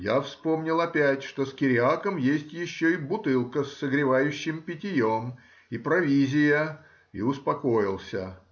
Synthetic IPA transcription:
jafspo̞mnʲɪlˠɐpʲætʲʂt̪o̞skʲɪɾʲɪakəmjesʲtʲjɪɕːoibʊt̪ɨlˠkəsːəɡɾʲɪvajʉɕːɪmpʲɪtʲɪjom | ipɾɐvʲizʲɪjə | ḭʊspɐko̞jɪlˠsʲə̰

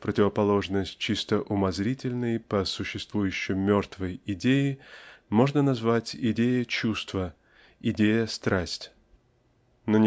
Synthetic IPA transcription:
pɾətʲɪvəpɐlˠo̞ʐnəsʲt̚ʲt͡ɕist̪əʔʊmɐzɾʲitʲɪlʲnəjpəsʊɕːɪst̪vujʉɕːɪmmʲort̪vəjɪdʲejɪmo̞ʐnənɐzvatʲɪdʲejət͡ɕust̪və | ɪdʲejəst̪ɾasʲtʲ | nonʲ

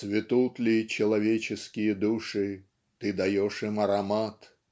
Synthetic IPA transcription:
svʲɪt̪ut̪lʲit͡ɕɪlˠɐvʲet͡ɕɪskʲɪjəd̪uʂɨ | t̪ɨd̪ɐjɔʂɨmɐɾɐmat̪

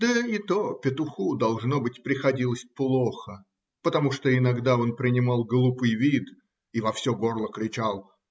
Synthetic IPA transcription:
d̪əit̪opʲɪt̪ʊxud̪ɐlˠʐno̞bɨtʲpɾʲɪxɐdʲilˠəsʲplˠoxə | pət̪ɐmuʂt̪oɪnɐɡd̪ao̞npɾʲɪnʲɪmɑlˠɡlˠupɨjvʲid̪ | ivɐfsʲoɡo̞rlˠəkɾʲɪt͡ɕalˠ

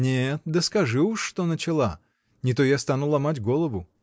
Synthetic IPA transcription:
nʲet̪̚d̪əskɐʐɨʊʂːt̪o̞nət͡ɕɪlˠa | nʲɪt̪ojast̪anulˠɐmatʲɡo̞lˠəvʊ

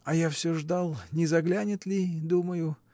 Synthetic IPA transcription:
ɐjafsʲɵʐd̪ɑlˠnʲɪzɐɡlʲanʲɪt̪lʲɪd̪uməjʊ

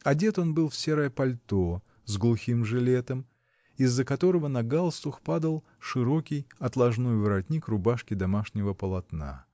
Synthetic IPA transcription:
ɐdʲe̞t̪o̞nbɨlˠfsʲeɾəjəpɐlʲt̪o | zɡlˠʊxʲimʐɨlʲe̞t̪əm | ɪzːəkɐt̪o̞ɾəvənɐɡalˠst̪ʊxpad̪əlˠ | ʂɨɾo̞kʲɪjɐt̪lˠɐʐnojvɨɾɐdʲnʲikrʊbaʂkʲɪd̪ɐmaʂnʲɪvəpəlˠɐt̪na̰

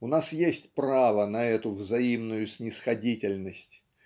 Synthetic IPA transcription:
ʊnasjesʲtʲpɾavənɐɛt̪ʊvzɐimnʊjʊsʲnʲɪsxɐdʲitʲɪlʲnəsʲtʲ

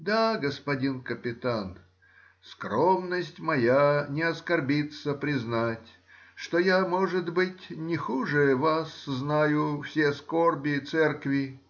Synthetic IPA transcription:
d̪aɡəspɐdʲinkəpʲɪt̪an | skɾomnəsʲtʲmɐjanʲɪɐskɐrbʲit̪səpɾʲɪznatʲ | ʂt̪ojamoʐɨd̪bɨtʲnʲɪxuʐɨvasznajʊfsʲeskorbʲɪt̪sɛrkvʲɪ

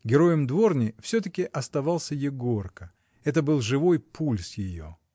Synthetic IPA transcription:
ɡʲɪɾo̞jəmd̪vo̞rnʲɪjfsʲɵt̪əkʲɪʔɐst̪ɐvɑlˠsʲəjɪɡo̞rkə | ɛt̪əbɨlˠʐɨvo̞jpʰulʲsjɪjo̞̰

